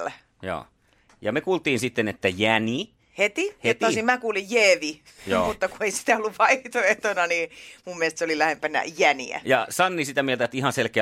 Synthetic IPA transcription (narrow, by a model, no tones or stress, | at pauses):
l | jo̰ː | jɑmekuːlt̪ˑiːnsit̪ːenet̪ːæjæni | het̪ihet̪ːosimmækuːlijjeːʋi | jo̰ːmut̪ːɑkueisi̥t̪æolːuʋʋɑiht̪oet̪onɑniːmumːiest̪seolilæhempænæ̰jænḭæ̰jɑsɑnːisit̪æmielt̪æet̪ihɑnselkeæ